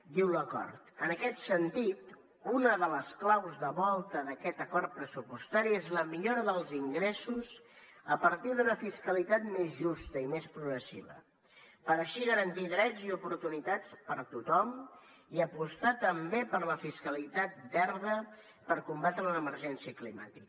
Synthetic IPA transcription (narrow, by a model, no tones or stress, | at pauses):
d̪iwləkɔ̰ɾt̪ənəkɛt̪sənt̪it̪ | unəðələsklawzðəβɔlˠt̪əðəkɛt̪əkɔɾt̪̚pɾəsupust̪aɾiezləmiʎoɾəðəlˠziŋɡɾesuz | əpəɾt̪iðunəfiskəlit̪at̪mezʒust̪əimespɾuɣɾəsḭβə̰ | pəɾəʃiɣəɾənt̪iðɾɛd͡ziupuɾt̪unit̪at͡spəɾt̪ut̪ɔm | iəpust̪at̪əmbepəɾləfiskəlit̪at̪̚bɛɾðə | pəɾkumbat̪ɾələməɾʒɛnsiəklima̰t̪ik